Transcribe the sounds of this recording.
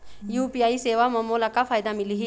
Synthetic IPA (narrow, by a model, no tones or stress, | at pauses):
juːpijaːiseːʋamɐːmoːlakafʰaːjd̪amɪliɦi